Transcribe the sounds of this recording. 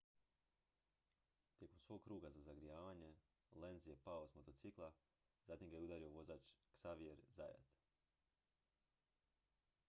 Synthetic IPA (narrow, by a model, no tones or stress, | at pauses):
t̪ʲje̞ko̞msʋo̞ɡ̚kɾuːɡazazaɡɾijaːʋaːɲe̞ | lenzjepaosmot̪o̞t̪siklˠa | zaːt̪imɡajeud̪aːɾio̞ʋo̞zaːt͡ʃksaʋieɾza̰ja̰t̪